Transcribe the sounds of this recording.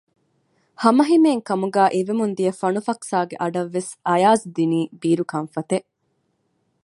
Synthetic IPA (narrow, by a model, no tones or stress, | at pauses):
hɐmɐɦimeːŋkɐmuɡæːʔeʋemund̪ijɐfɐnufɐksaːɡeʔɐɖɐʋːesɐjaːzd̪iniːbiːɾukɐnfɐt̪e